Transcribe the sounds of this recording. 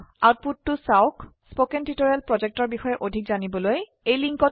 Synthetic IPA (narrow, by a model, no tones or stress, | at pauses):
at̚putːʊsaʊkspokɛntitoɹialpɹɔzɛk̚tɔɹbixɔjɛʔodʱikzanibɔloj | ejliŋkɔ